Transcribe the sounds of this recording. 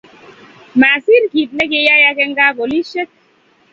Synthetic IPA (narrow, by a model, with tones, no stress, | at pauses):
ma˨si˦ɾki˨t̚lɛ˦ke˦ja˦ja˦kɛ˦ŋ˦ɡa˦ko˨li˦ʃe˦k̚